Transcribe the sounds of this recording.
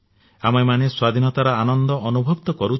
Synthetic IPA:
amemaneswad̪ʱinɔt̪aɾɔanɔnd̪ɔʔːnubʱɔbt̪ɔkɔɾu

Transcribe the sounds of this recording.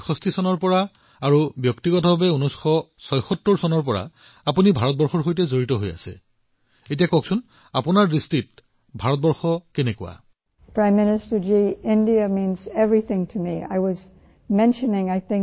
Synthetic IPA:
xɔstisɔnɔɹpɔɹa | aɹubjɔktiɡɔtɔbabɛunɔsxɔsɔjxɔtːɔɹsɔnɔɹpɔɹa̰ | apunibʱaɹɔt̚bɔɹxɔɹxojtɛzoɹitɔɦoja̰sɛ̰ | etijakɔksun | apunaɹːistit̚ | bʱaɹɔt̚bɔɹxɔkɛnɛkʊ̰a̰ | pʰɹ̥ãɪ̃mːɪnɨstə˞d͡ʒiɪ̃ndiɨmĩnzɛvɹiθɪ̃ŋtʰɨmia̰ɪwʌz | mɛ̃nʃɨnɪ̃ŋaɪθɪ̃ŋ

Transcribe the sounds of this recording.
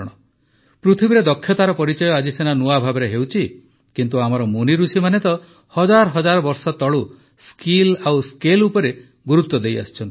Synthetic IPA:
ɽ̃ɔ | pɾut̪ʰibiɾed̪ɔkʰːjɔt̪aɾɔpɔɾit͡ʃɔjɔad͡ʒisenanuabʱabɔɾeɦewt͡ʃʰi | kint̪uamɔɾɔmuniɾusimanet̪ɔ | hɔd͡ʒaɾɔɦɔd͡ʒaɾɔbɔɾsɔt̪ɔɭu | skilawskelupɔɾe | ɡuɾut̪wɔd̪eja̰st͡ʃʰɔnt̪i̥

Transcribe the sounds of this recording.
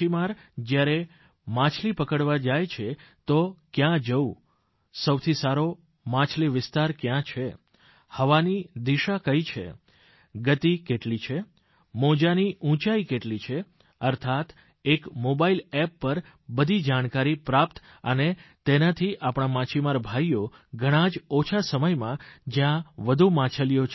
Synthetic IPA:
imaɾd͡ʒjaɾe | mãt͡ʃʰlipəkəɽʋad͡ʒajt͡ʃʰet̪okjãd͡ʒəu | səwt̪ʰisaɾo | mãt͡ʃʰliʋɪst̪aɾkjãt͡ʃʰe | həʋanid̪iʃakəit͡ʃʰḛ | ɡət̪ikeʈlit͡ʃʰe | mɔd͡ʒaniʔũt͡ʃaikeʈlit͡ʃʰe | əɾt̪ʰat̪ | ekmobailɛpːəɾ | bəd̪ʱid͡ʒaɽ̃kaɾipɾap̚t̪ | ə̰net̪enat̪ʰiʔapɳ̃amãt͡ʃʰimaɾbʱajo | ɡʱəɽ̃ãd͡ʒɔt͡ʃʰasəməjmãd͡ʒjãʋəd̪ʱumãt͡ʃʰəljot͡ʃʰ

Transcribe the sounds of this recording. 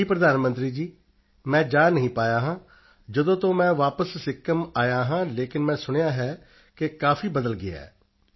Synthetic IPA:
iːpɾəd̪aːnmə̃nt̪ɾiːd͡ʒiː | mɛ̃ːd͡ʒaːnːəɦĩːpaːjaːɦãː | d͡ʒəd̪õːt̪õːmɛ̃ːʋaːpəsːɪkːəmaːjaːɦãːleːkɪnmɛ̃ːsʊɽ̃jaːɦɛː | kɪkaːfiːbəd̪əlɡɪaɛ̰ː

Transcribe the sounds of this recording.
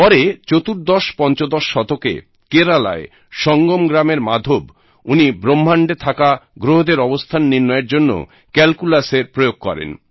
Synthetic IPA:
pɔɾet͡ɕot̪uɾd̪ɔʃpɔnt͡ɕod̪ɔʃːɔt̪okḛ | keɾala̰e | ʃɔŋɡomɡɾameɾmad̪ʱob | unibɾom̤ːʱaɳɖet̪ʰakaɡɾoɦod̪eɾɔbost̪ʰanːiɾnɔeɾd͡ʑonːo̰ | kɛlkulaseɾpɾojoɡ̚kɔ̰ɾḛn

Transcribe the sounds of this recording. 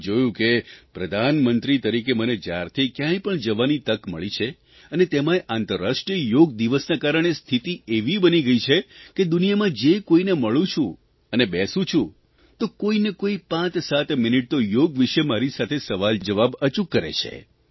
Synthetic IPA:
d͡ʒojũkepɾəd̪ʱanmənt̪ɾit̪əɾikeməned͡ʒa̰ɾt̪ʰikjãĩpəɳd͡ʒəʋanit̪əkməɭit͡ʃʰe | ənet̪emãeʔant̪əɾːasʂʈɾiəjoɡd̪iʋəsnakaɾəɳ̃est̪ʰit̪ieʋibəniɡəit͡ʃʰeked̪unijamãd͡ʒekoineməɭũt͡ʃʰũ | ənebɛsũt͡ʃʰũ | t̪okoinekoipãt͡ʃsat̪miniʈ̚t̪ojoɡʋiʃemaɾisat̪ʰesəʋald͡ʒəʋabət͡ʃukːəɾḛt͡ʃʰḛ

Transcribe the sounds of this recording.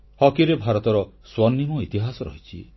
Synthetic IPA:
hɔkiɾebʱaɾɔt̪ɔɾɔ | swɔnːimɔit̪iɦasɔɾɔ̰ɦit͡ʃʰi

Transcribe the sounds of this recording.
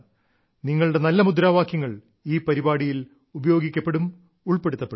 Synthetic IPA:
niŋːɐɭuɽe̞nɐlːɐmud̪ɾaːʋaːkʰjɐŋːɐɭ | iːpɐɾibaːɽijil | ubɐjo̞ːɡikʲːɐpːe̞ɽum | uɭpe̞ɽut̪ːɐpːe

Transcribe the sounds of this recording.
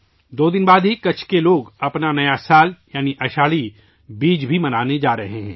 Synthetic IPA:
d̪oːd̪ɪnbaːd̪ɦikɐt͡ʃʰkeloːɡɐpnanɐjasaːljaːniʔɐʃaːɭi | biːd͡ʒbʱimɐnaːned͡ʒaːɾɐɦeɦɛ̰̃ː

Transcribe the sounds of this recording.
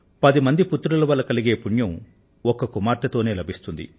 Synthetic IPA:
pɐd̪imɐnd̪iput̪ːɾulɐʋɐlːɐkɐliɡe̞ːpuɳjɐm | ɔkːɐkumaːɾt̪ɐt̪o̞ːne̞ːlɐbʱist̪und̪ḭ

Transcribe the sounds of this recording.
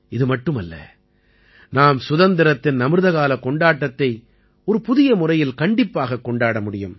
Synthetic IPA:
ɪðɯmɐʈːɯmɐlːɐ̰ | naːmsʊðɐnd̪ɪɾɐt̪ːɪnnɐmɯɾðɐɣaːlɐkɔɳɖaːʈːɐt̪ːɐɪ | ɔɾɯpʊðɪjɐmʊrɐjɪlkɐɳɖɪpːaːɣɐkːɔɳɖaːɽɐmʊɽɪjɯ̰m

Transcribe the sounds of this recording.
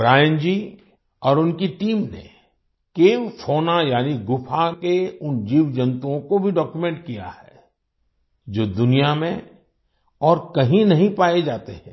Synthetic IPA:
bɾaːjənd͡ʒiː | ɔːɾʊnkiʈiːmnḛ | keːwfʰoːnajaːniɡʊpʰakeʊnd͡ʒiːʋd͡ʒɐ̃nt̪uõkobʱiɖɔːkjumẽɳʈ̚kija̰hɛː | d͡ʒoːd̪ʊnijamẽ | ɔːɾkɐɦĩnɐɦĩpaːed͡ʒaːt̪eɦɛ̃ː

